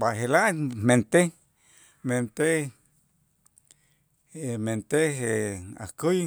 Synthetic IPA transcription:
baɦelamment̪e | ment̪e | ment̪eɦea̰kɨj

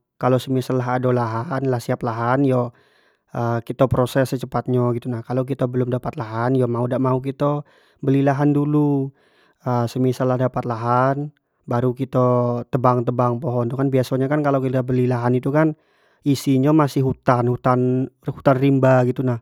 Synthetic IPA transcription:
kalosəmisalaɦadolaɦanlahsiaplaɦanjɔ | ʔəkit̪apɾosɛsːət͡ʃəpat̪̚ɲaɡit̪unahkalok̬it̪abəlʊmdapat̪laɦanjɔmaudaʔmauk̬it̪ɔ | bəlilaɦandulu | əsəmisalahdapat̪laɦan | baɾukit̪at̪əbaŋt̪əbaŋpoɦɔnt̪ukanbiasoɲakankalakit̪abəlilaɦanit̪ukan | isiɲamasɪhɦut̪anhut̪anhut̪anrimbaɡit̪unah

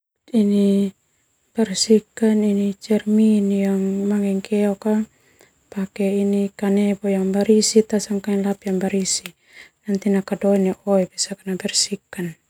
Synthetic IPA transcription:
ini | b̥ɛrsikaninit͡ʃɛrminjaŋmaŋɛŋkɛɔka | pakɛinikanɛbɔjaŋbaɾisit̪asaŋkaŋɛnlapjaŋbaɾisi | nant̪inakadɔinɛʔɔɛbisakanabɛrsikːan

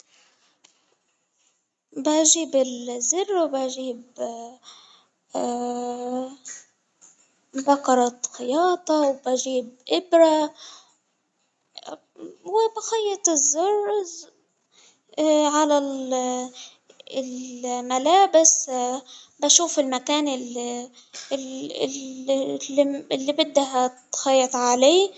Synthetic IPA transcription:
baʔʒiːbɪlzɪrːwɪbaʒiːb | baqɑɾˤɑxɪjɑːt̪ˤɑwbaʒiːbʔɪbɾa | wɪbaxɑjːɑt̪ɪzːʊr | ʕalal | ɪlmalaːbɪs | baʃuːfɪlmakaːnɪl | ɪlːibɪd̪ːaɦat̪xɑjːɑt̪ˤʕaleː

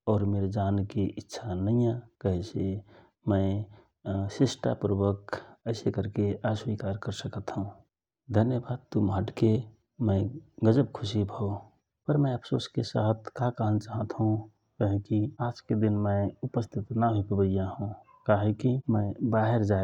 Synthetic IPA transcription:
ɔːɾmeɾd͡ʒaːnkiʔɪtːʃʰanəɪ̃jãkəɦĩse | mə̃ɪ | sesʈa̰puɾubəkəɪsekəɾkeʔaswikaɾkəɾsəkət̪ɦũ | d̪ʱənjəbaːd̪̚t̪umɦəʈke | mə̃ɪɡəd͡ʒəb̚kʰʊsibʱoo | pəɾmə̃əpʰsoːskesa̰ɦt̪kakəɦənt͡ʃaɦət̪ɦũ | kəɦẽkiaːd͡ʒked̪inmə̃upəst̪ʰit̪naɦopəbəɪjaɦũ | kaɦekimə̃ɪbaɦeɾd͡ʒa

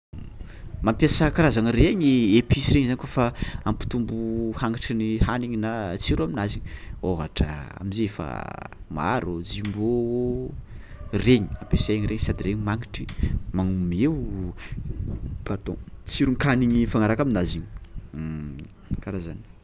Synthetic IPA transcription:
mampjasəkaɾazanireɲiepisiɾeɲizanikofaampi̥t̪umbuhaŋaʈ͡ʂinihaniɲinat͡siɾuaminaziɲioɦa̰ʈ͡ʂə̰a̰mizeefa̰ma̰ɾod͡zimbo | reɲi̥ampesaeɲiɾeɲsad̪ireɲimaŋiʈ͡ʂimaŋumew | pat̪õ̰t͡siɾuŋkaniɲifanaɾakaminaziɲi̥ | kaɾazani̥

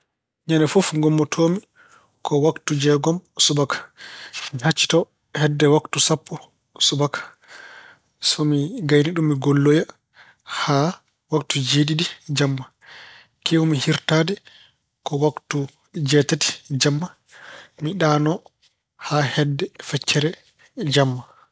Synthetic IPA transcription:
ɲanɛfofŋɡɔmːɔtʰoːmi | kʰɔwaktud͡ʒɛɡɔmsubakḁmihat͡ʃːi̥tɔ | hɛdːɛwaktusapʰːɔ | subakḁ | sɔmiɡajniɗumːiɡolːoja | ha | waktud͡ʒedidid͡ʒamːa | kewumihiɾtaːdɛ | kɔwaktu | d͡ʒɛtati̥d͡ʒamːa | miɗaːnɔ | hahɛdːɛfɛt͡ʃːɛɾɛ | d͡ʒamːa

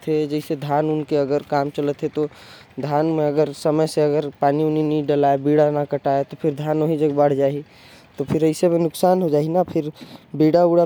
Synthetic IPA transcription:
t̪ɦed͡ʒɛɪsed̪ʱaːnʊnkeəɡəɾkaːmt͡ʃələt̪ɦet̪o | d̪ʱanmẽəɡəɾsəməjseəɡəɾpaːniʊniniɖəlaebiɽanakəʈaet̪opʰɪɾd̪ʱaːnoɦid͡ʒəɡbəɽ̤d͡ʒaːi | t̪opʰɪɾəɪsemenʊksaːnɦod͡ʒaːinapʰɪɾbiɽauɽa

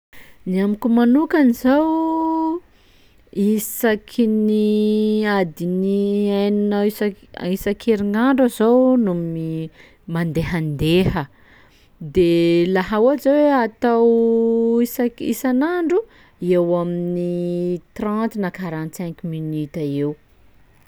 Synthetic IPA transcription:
niamikumanukanizaw | isakʰini | ad̪iniajnunaisa̰ | isakʰeɾiŋaɳɖ͡ʐazownumi | mand̪eɦand̪ehə | d̪elaɦaazaweat̪aw | isakḭsanaɳɖ͡ʐu | ewaminnit̪rãnt̪inakaɾãnt̪sɛ̃ŋkminit̪aew

